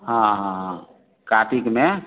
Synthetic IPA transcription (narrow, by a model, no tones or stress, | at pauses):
ɦãɦãɦã | kaʈikme